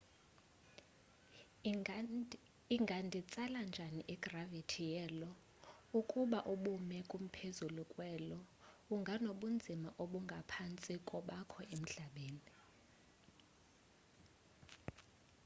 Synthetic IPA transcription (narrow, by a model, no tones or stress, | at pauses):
iŋɡʱandʱit͡sʼaland͡ʒʱaniʔiɡ̥ravitʰijɛːlɔ | ukʼuɓaʔuɓumɛkʼum̩pʰezulukʼwɛːlɔ | uŋɡʱanoɓund͡zʱimaʔoɓuŋɡʱapʰant͡sʼikʼɔɓakʰɔʔem̩ɮaɓeːni